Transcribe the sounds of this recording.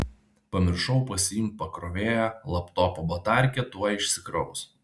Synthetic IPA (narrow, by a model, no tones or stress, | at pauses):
pɐmʲɪɾʃɔʊpɐsʲɪjimt̪̚pɐkɾoːʋʲeːjælˠɐpt̪oːpobɐt̪ɑˑɾʲkʲɛt̪uɔɪʃʲsʲɪkɾɐʊʊs